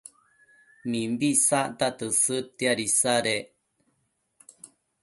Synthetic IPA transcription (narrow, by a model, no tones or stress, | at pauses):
mĩmbisaʔt̪at̪ɨsɨt̪eaɾisaɾe